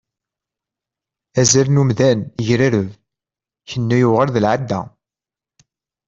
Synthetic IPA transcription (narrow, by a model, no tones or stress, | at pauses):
æzælnumðænʝɾaɾəv | çənːæjʊʁəɾðəlʕad̪ːæ̰